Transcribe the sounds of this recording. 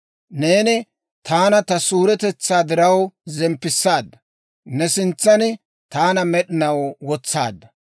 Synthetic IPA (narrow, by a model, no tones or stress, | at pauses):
ne̞ːnɪ | t̪ʰaːnɐt̪ɐsuːɾɛt̪ɛt͡sːaːd̪ɪɾɐwzɛmpːɪsːaːd̪ːɐ | nɛsɪnt͡sːɐnɪ | t̪aːnɐmɛɗɪnɐwwɔt͡sːa̰ːd̪ːɐ